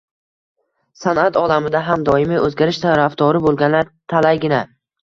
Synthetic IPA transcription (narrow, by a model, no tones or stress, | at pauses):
sanat̪ʰɒlamɪd̪aɦamd̪ɒɪmɪʔɵzɡʲaɾɪʃt̪ʰaɾafd̪ɒɾɪbolˠɡʲanlaɾt̪ʰalajɡʲɪna